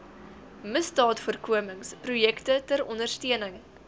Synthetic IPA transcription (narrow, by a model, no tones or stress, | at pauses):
məsdɑːtfuərkuəməŋsprujɛktətəɾɔndərstiənəŋ